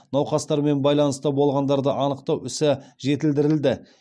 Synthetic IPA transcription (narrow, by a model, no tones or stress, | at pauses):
nɑwqɑst̪ɑɾme̞nbɑjlˠɑnəst̪əbo̞lˠʁɑnd̪ɑɾd̪əʔɑnəqt̪ɑwʏsɪʒe̞t̪ɪld̪ɪɾɪld̪ɪ